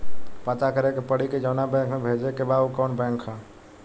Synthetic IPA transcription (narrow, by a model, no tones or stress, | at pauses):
pat̪akəɾekepəɽiked͡ʒəʊnabɛ̃ŋkmebʱed͡ʒekebaukɔːnbɛ̃ŋkʰã